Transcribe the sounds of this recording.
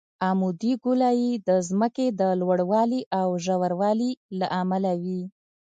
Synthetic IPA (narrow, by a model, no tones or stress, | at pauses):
amud̪iɡulɑjid̪əzməked̪əlwaɽwɑliʔawʒawaɾwɑlilaʔamalawi